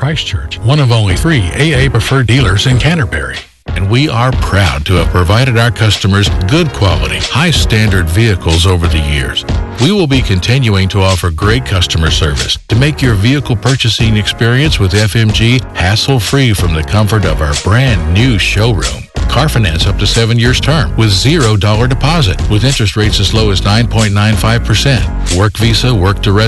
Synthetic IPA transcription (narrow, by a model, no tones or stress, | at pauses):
kʰɹ̥aɪst͡ʃʰɜ˞t͡ʃwʌ̃ñʌvõʊ̃nliθɹieɪeɪpɹ̥ɨfɜ˞dilˠə˞zɨ̃nkʰæ̃ɾ̃ə˞bɛ̰ɹḭ | ɨ̃nwiʔə˞pʰɹ̥aʊd̚tʰɨɨv̥pʰɹ̥ɨvaɪɾɨɾaʊə˞kʰʌstəmə˞zɡʊd̚kʰw̥ɑlˠə̰ɾḭhaɪstæ̃ndə˞dviɨkl̩ˠzoʊvə˞ðɨjɪ̰ɹz̥wiwɪlˠbikʰɨ̃ntʰɪ̃njʉɪ̃ŋtʰəɔfə˞ɡɹeɪt̚kʰʌstəmə̥˞sɜ˞vɨ̰stʰɨmeɪkjə˞viɨkl̩ˠpʰɜ˞t͡ʃɨsɪ̃ŋɨkspɪɹiɨ̃nswɨðɛfɛ̃md͡ʒihæsl̩ˠfɹifɹʌ̃mðɨkʰʌ̃ɱfə˞ɾʌvaʊə˞bɹæ̃nːʉʃoʊɹṵ̃mkʰɑɹfɨnæ̃nsʌp̚tɨsɛvɨ̃njɪɹz̥tʰɜ̃˞mwɨðzɪɹoʊdɔlˠə˞dɨpʰɑzɨ̰t̚wɨðɪ̃nt͡ʃɹ̥ɨst̚ɹeɪtsɨzloʊɨznãɪ̃npʰɔ̃ɪ̃nnãɪ̃nfaɪv̥pʰə˞sɛ̃nt̚ | wɜ˞kvizəwɜ˞k̚d̥ə˞ɛ